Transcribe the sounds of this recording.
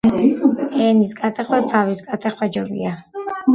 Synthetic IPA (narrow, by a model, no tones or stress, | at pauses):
ɛnisɡʼat̪ʰʼɛχwast̪ʰavisɡʼat̪ʰʼɛχwad͡ʒɔbḭa